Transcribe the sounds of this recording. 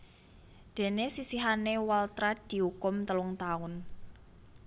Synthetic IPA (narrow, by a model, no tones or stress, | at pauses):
d̪̥e̤nesisiɦanewalt̪ɾad̪̥i̤hukʊmt̪əlʊŋt̪aʊn